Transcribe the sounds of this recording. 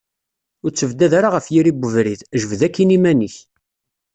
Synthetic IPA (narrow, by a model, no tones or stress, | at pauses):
ʊɾt͡sːəvd̪æðaɾaʁəfjiɾibəvɾiðʒəvðækːinimæniç